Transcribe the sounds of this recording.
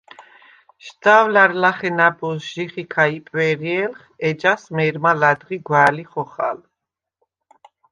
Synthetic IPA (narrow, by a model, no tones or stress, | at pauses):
ʃt̪awlaɾlaχɛnabɔsʒ̥iχikʰaipʼwɛɾiɛlχ | ɛd͡ʒasmɛɾmalad̪ʁiɡwaːliχɔχa̰l